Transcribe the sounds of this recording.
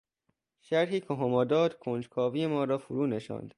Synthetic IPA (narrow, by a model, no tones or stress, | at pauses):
ʃæɾɦiːkʰoɦomɒːd̪ɒːd̪̥kʰond͡ʒkʰɒːviːjemɒːɾɒːfuɾuːneʃɒ̰ːnd̪̥